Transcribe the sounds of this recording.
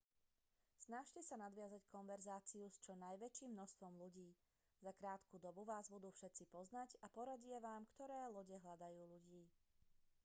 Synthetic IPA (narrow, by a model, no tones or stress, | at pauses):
snaʃcɛsanad̪ʋɪazackʰɔnʋɛɾzaːt͡siust͡ʃɔnajʋɛt͡ʃiːmːnɔst̪ʋɔmluɟiː | zakɾaːt̪kud̪ɔbuʋaːzbud̪uːfʃɛt̪t͡sipɔznacapɔɾaɟijɛʋaːmkt̪ɔɾɛːlɔɟɛɦlad̪ajuːluɟiː